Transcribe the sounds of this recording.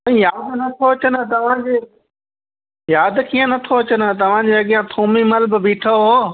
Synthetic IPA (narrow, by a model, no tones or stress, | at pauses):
ɐ̃ĩːjaːd̪nɐt̪ʰoɐt͡ɕənt̪ɐʋ̤ãd͡ʑeː | jaːd̪kiːə̃nɐt̪ʰoɐt͡ɕənt̪ɐʋ̤ãd͡ʑeɐɠijãt̪ʰoːmimɐlbbiːʈʰoɦoː